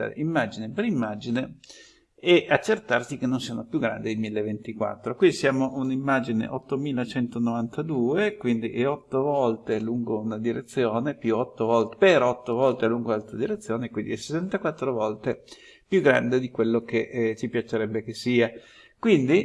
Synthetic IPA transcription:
ɾḛimːad͡ʒinepeɾimːad͡ʒine | ɛʔat͡ʃːert̪arsikenːonsiːanopjuɡɾa̰nd̪eilmilːevent̪ikwa̰t̪ːɾokwinisjaːmoʔunimːad͡ʒinḛʔɔt̪ːomiːlat͡ʃɛnt̪onovant̪ad̪uːekwind̪ḭʔɛɔt̪ːovɔlt̪eluŋɡounad̪iɾet̪sːjoːnepjuɔt̪ːovɔlt̪peɾɔt̪ːovɔlt̪eluŋɡoalt̪ɾod̪iɾet̪sːjoːnekwind̪iɛse̥sant̪akwat̪ːɾovɔlt̪e | pjuɡɾa̰nd̪ed̪ikwelːokeʔt͡ʃipjat͡ʃeɾɛbːekesiːa | kwind̪i

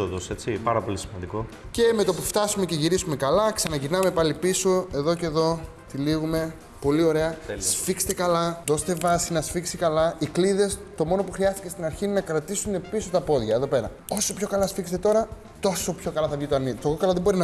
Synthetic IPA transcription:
oðose̞t͡sipɐɾɐpo̞lisimɐnd̪iko̞ | ce̞me̞t̪opuft̪ɐsume̞ce̞ʝiɾisume̞kɐlɐksɐnɐʝinɐme̞pɐlipiso̞e̞ðo̞ce̞ðo̞ | t̪iliɣume̞ | po̞lio̞ɾe̞ɐsfikst̪ekɐlɐðo̞st̪e̞vɐsinɐsfiksikɐlɐikliðe̞st̪o̞mo̞no̞puxɾiɐst̪i̥cest̪inɐɾçiinenɐkɾɐt̪isune̞piso̞t̪ɐpo̞ðʝɐeðope̞ɾɐ̰ | o̞so̞pço̞kɐlɐsfikst̪et̪o̞ɾɐ | t̪o̞so̞pço̞kɐlɐθɐvʝit̪oɐnit̪ookɐlɐðebo̞ɾinɐ

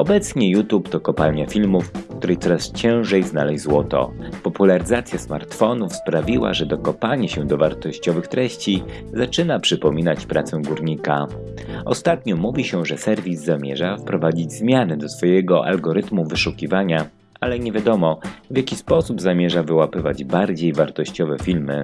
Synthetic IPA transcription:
ɔbɛt̪sɲɛjut̪upt̪ɔkɔpalɲafʲilmufkt̪uɾɛjt̪sɔɾast͡ɕɛ̃w̃ʐɛjznalɛjzwɔt̪ɔ̰pɔpulaɾɘzat̪sʲjasma̰ɾt̪fɔnufspɾavʲiwa̰ʐɛd̪ɔkɔpaɲɛɕɛ̃d̪ɔvaɾt̪ɔɕt͡ɕɔvɘxt̪ɾɛɕt͡ɕi | zat͡ʂɘnapʂɘpɔmʲinat͡ɕpɾʔa̰t̪sɛw̃ɡuɾɲika | ɔst̪at̪ɲɔmuvʲiɕɛʐɛsɛɾvʲizːamʲjɛʐafpɾɔvad͡ʑid͡ʑzmʲjanɛd̪ɔsfɔjɛɡɔʔa̰lɡɔɾɘt̪muvɘʂukʲivaɲa | ʔalɛɲɛvʲjad̪ɔmɔvʲjakʲispɔsubzamʲjɛʐavɘwapɘvad͡ʑbaɾd͡ʑejvaɾt̪ɔɕt͡ɕɔvɛfʲilmɘ

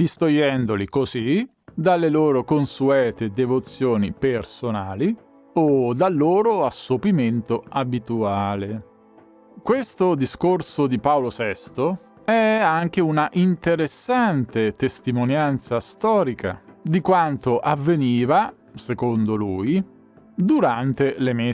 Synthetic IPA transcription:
d̪ist̪ojɛnd̪olikozi | d̪alːeloːɾokonsuɛːt̪ed̪evot̪sːjoːnḭpersonaːli | od̪alːoːɾoasːopiment̪oabit̪uaːle | kwest̪od̪iskorsod̪ipaolosɛst̪o | ɛaŋk̟eunaʔint̪eɾesːant̪et̪est̪imonjant̪sast̪ɔːɾika̰d̪ikwant̪oʔavːeniːva | sekond̪oluːj | d̪uɾant̪eleme

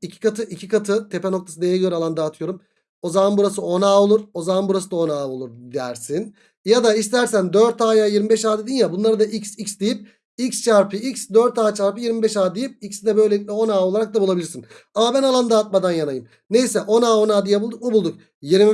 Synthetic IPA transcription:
icʰi̥kʰat̪ʰɯʔicʰikʰat̪ʰɯt̪ʰepɛno̞kt̪ʰḁsɯd̪ejɛɟø̞ɾɛalˠand̪aːt̪ʰɯjo̞ɾum | o̞zamanbuɾasɯo̞naːolˠuɾo̞zamanbuɾasɯd̪ao̞naːolˠuɾd̪d̪æ̰ɾsin | jad̪aist̪ʰæɾsænd̪øɾt̪aːjaːjiɾmibɛʃaːd̪ed̪injabunlˠaɾɯd̪aʔicsicsd̪ejip̚ | icst͡ʃaɾpʰɯicsd̪øɾt̪aːt͡ʃaɾpɯjiɾmibɛʃaːd̪ejip̚icsd̪ɛbø̞jlʲeic̚ʲlʲɛo̞naːo̞lˠaɾak̚d̪abulˠabilʲiɾsin | amabænalˠand̪aːt̪̚mad̪anjanajɯm | ne̞jsɛʔo̞naːo̞naːd̪ijɛbulˠd̪uk̚mubulˠd̪uk | jiɾm

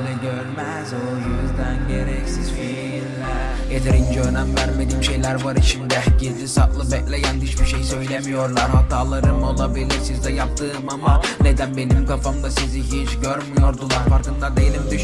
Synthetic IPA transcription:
lɛɟøɾmæ | zojyzd̪ænɟeɾɛcsizfi | ɾlʲæɾ | jet̪ʰeɾind͡ʒɛøɾnæmvæɾme̞d̪iːmʃe̞jlʲæɾvaɾiʃimd̪iɟilʲisa̰ʔlˠɯbɛclʲejænd̪yʃbiʃejsø̞jlʲemijo̞ɾlˠaɾhat̪ʰaːlˠaɾɯmo̞lˠabilʲiɾsizd̪ɛjap̚t̪ʰɯːmamane̞d̪ænbe̞nimkafamd̪asiziɦit͡ʃɟøɾmijo̞ɾd̪ulˠaɾfaɾkɯnd̪ad̪ejelʲimd̪yʃ

